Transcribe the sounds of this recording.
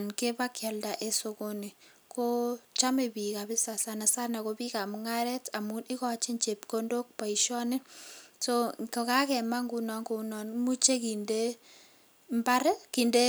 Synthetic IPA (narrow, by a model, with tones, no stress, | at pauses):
nke˦pa˦kja˨lda˨ʔe˦so˨ko˦ni˨ | ko˦t͡ʃa˦me˨bi˨ka˨bi˦sa˨sa˨na˨sa˦na˨ko˦pi˦ka˨mŋa˦ɾɛ˦ta˨mu˦nʔi˦kɔ˦t͡ʃe˦ɲt͡ʃe˨p̚ko˦ndo˦k̚pa˨i˨ʃɔ˦nɪ˦so˦ko˨ka˦kɛ˨ma˦ŋɡu˨nɔ˨ŋko˨nɔ˨nmu˦t͡ʃe˦ki˨nde˦ | mba˦ɾe˦ki˨nde˦